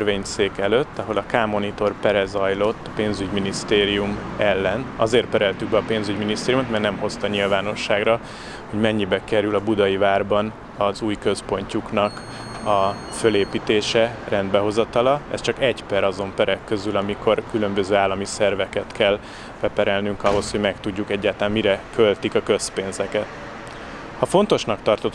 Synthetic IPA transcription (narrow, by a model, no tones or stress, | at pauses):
rveːɲseːkɛløt̪ːɒɦo̞lɒkaːmo̞nit̪o̞rpɛɾɛzɒjlo̞t̪ːɒ̥peːnzyɟminist̪eːɾijumɛlːɛnɒzeːr̚pɛɾɛlt̪yk̚bɛɒpeːnzyɟminist̪eːɾijumot̪mɛrnɛmho̞st̪ɒɲilvaːno̞ʃːaːɡrɒ | ho̞ɟmɛɲːibɛkɛɾylɒbud̪ɒjivaːrbɒn | ɒzuːjkø̞spo̞ɲcuknɒk | ɒ | føleːpiːt̪eːʃɛrɛnd̪bɛɦo̞zɒt̪ɒlɒɛ̰st͡ʃɒkɛɟpɛɾɒzo̞mpɛɾɛkːøzylɒmikʰo̞rkylø̞mbøzøːaːlːɒmisɛrvɛkɛt̪kʰɛl | b̥ɛpɛɾɛlnyŋkɒɦo̞sho̞ɟmɛkt̪uɟːukɛɟːaːt̪lːaːmmiɾɛkø̞lt̪ikɒkø̞speːnzɛkɛt̪ | hɒfo̞nt̪o̞ʃnɒkt̪ɒrt̪o̞t̪